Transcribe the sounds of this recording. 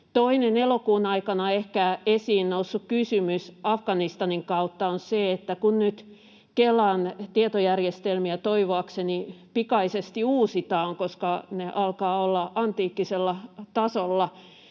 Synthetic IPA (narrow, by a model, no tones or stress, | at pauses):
t̪oinenelokuːnɑikɑnɑehkæesiːnnousːukkysymysɑfɡ̥ɑnist̪ɑniŋkɑut̪ːɑonseet̪ːækunnyt̪ | kelɑnt̪iet̪ojærjest̪elmiæt̪oiʋoɑksenipikɑisest̪iuːsit̪ɑːŋkoskɑneʔɑlkɑːolːɑʔɑnt̪iːkːiselːɑt̪ɑsolːɑ